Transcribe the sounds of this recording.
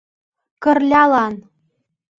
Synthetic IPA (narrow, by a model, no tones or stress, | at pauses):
kɤ̆rlʲɑlɑn